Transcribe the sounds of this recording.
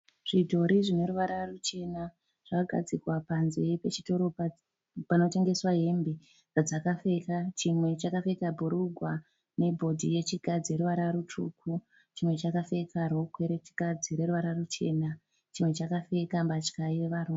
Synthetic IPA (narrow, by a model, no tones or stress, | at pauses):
ʐ̥idʱo̞ɾiʐine̞ɾuʋaɾarut͡ʃe̞na | ʐ̥akaɡʱa̰d͡zikwapanzejepet͡ʃito̞ɾo̞p | panote̞ŋɡe̞swaɦe̞mbe | d͡zad͡zakafe̞kat͡ʃimwe̞t͡ʃakafe̞kabʱuɾuɡʱwa | ne̞bʱo̞dʱije̞t͡ʃiɡʱad͡zeɾuʋaɾaɾutukʰu | t͡ʃimwe̞t͡ʃakafe̞karokʰwe̞ɾet͡ʃi̥ɡʱad͡ziɾe̞ɾuʋaɾarut͡ʃe̞na | t͡ʃimwe̞t͡ʃakafe̞kambat͡ʃkaiʋeʋaɾu